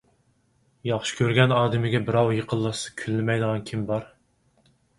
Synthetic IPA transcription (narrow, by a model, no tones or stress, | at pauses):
jɑχʃɪ̥kʲʰøɾɡʲɛnɑːd̪ɪmɪɡʲɛbɪɾɑwjeqʰəlˠːɑsɨ̥kʲʰylːɪmɛjd̪əʁɑnkʲʰimbɑɾ